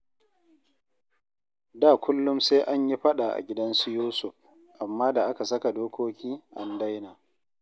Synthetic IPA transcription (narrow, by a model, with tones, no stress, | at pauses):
daː˦˨kʷʊ˦lːʊ˦mseː˦ʔa˦ɲji˦ɸɐ˦ɗa˨ʔa̰˨ɡʲɪ˦dɐ˦nsu˦juː˦sʊ˨ɸ | ʔa˨mːaː˦da˨ʔa˦ka˨sɐ˦ka˨doː˦kʷoː˦kʲiː˦ʔa˦nda˦jnaː˨